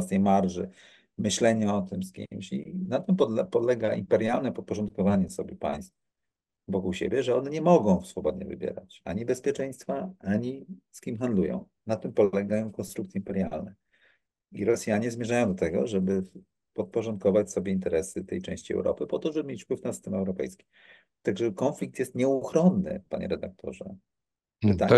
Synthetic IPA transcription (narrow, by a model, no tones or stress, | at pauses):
vasɛjmaɾʐɘ̰ | mɘɕlɛɲaɔt̪ɘmskʲḭmɕḭnat̪ɘmpɔpɔd̪lɛɡaʔimpɛɾjalnɛpɔt̪̚pɔʐɔnt̪̚kɔvaɲɛsɔbʲjɛpa̰j̃st̪f | vɔkuwɕɛ̰bʲjɛʐɛɔnɛɲɛmɔɡɔ̃w̃sfɔbɔd̪ɲɛ̰vɘ̰bʲjɛ̰ɾa̰t͡ɕa̰ɲibɛspʲjɛt͡ʂɛj̃st̪faaɲiskʲimxand̪lujɔ̰̃w̃ | nat̪ɘmpɔlɛɡajɔ̃w̃kɔnst̪ɾukt̪sʲjɛimpɛɾja̰lnɛ | iɾɔsʲjaɲɛzmjɛʐajɔ̃w̃d̪ɔt̪ɛɡɔ̰ʐɛbɘ | pɔt̪̚pɔʐɔnt̪kɔvat͡ɕsɔbʲjɛint̪ɛɾɛsɘt̪ɛjt͡ʂɛ̃ɕt͡ɕiɛ̰wɾɔ̰pɘpɔt̪ɔʐɛbmʲet͡ɕfpwɘfnasɨ̥st̪ɛmɛwɾɔpɛ̰jskʲi̥ | t̪aɡʐɛkɔnflʲik̚t̪jɛst̪ɲɛuxɾɔnːɘ̰pa̰ɲɛ̰ɾɛd̪ak̚t̪ʰɔ̰ʐɛ̰ | t̪a